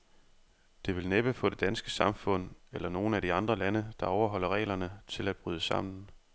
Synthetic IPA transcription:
d̥e̝ʋe̝lneb̥əfɔ̽ːd̥e̝d̥ænsɡ̥ə̥sɑ̈mfɔ̽n̰elɐno̝ːn̩æd̥iɑ̈nd̥ʁɐlænəd̥ɑ̈ɒʊɐɦɒ̽l̰ɐʁɛ̰ːlɐnət͡sʰe̝læd̥̚b̥ʁyð̞ˠəsɑ̈m̰nn̩

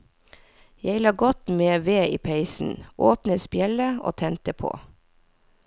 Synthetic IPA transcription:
jæɪlɑːɡɔt̪meːʋeːʔiːpʰæɪsn̩ʔoːpnəspjɛləʔo̰ːt̪ʰɛnt̪əpʰo̰ː

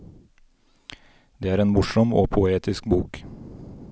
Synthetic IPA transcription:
d̪eːæːɾeːnmʊʃɔmo̰ːpʰʊeːt̪ʰɪsk̚buːk

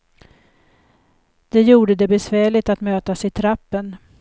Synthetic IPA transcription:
d̪̥ɛjuːɖəd̪ɛbɛsvæːɭɪt̪at̪møːt̪asɪt̪ʰɾapːən

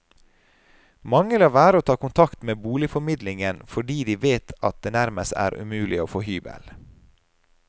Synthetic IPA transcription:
mɑŋəlɑːʋæːɾəoːt̪ʰɑːkʊnt̪ʰɑkt̪meːbuːlɪfɔɾmɪd̪lɪŋənfɔɖiːd̪iːʋeːt̪ʰɑt̪̚d̪eːnæɾməst̪æ̰ːɾʔʉ̰mʉːlɪoːfohyːbə̰l

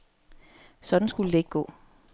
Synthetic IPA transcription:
sɒ̽d̥n̩sɡ̥uləd̥e̝e̝ɡ̥̚ɡ̥ɔ̰̽ː

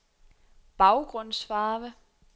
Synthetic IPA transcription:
b̥ɑ̈ʊɡ̥ʁɔ̽n̰sfɑ̈ːʋə

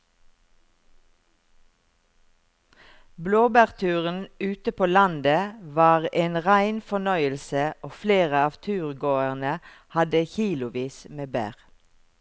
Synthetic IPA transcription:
bloːbæːʁt̪ʰʉːʁən̩ʉːt̪əpʰoːlɑnd̪əʋɑːʁeːnʁæɪnfɔnœʏəlsəoːfleːʁəɑːʋt̪ʰʉːʁɡoːəʁnə | hɑd̪əçiːlʊʋiːsmeːbæ̰ːʁ

